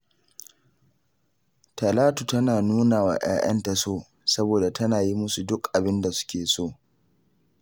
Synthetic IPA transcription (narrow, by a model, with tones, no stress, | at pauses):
tɐ˨laː˦tu˨tɐ˦naː˨nuː˦naː˨wa̰ː˨j̰a̰ː˦jʔɐ̰˦nta˨soː˦˨ | sɐ˦boː˨da˨tɐ˦naː˨ji˦mʊ˦su˨dʊ˦kʔa˨bɪ˦nda˨sʊ̥˦kʲeː˨soː˦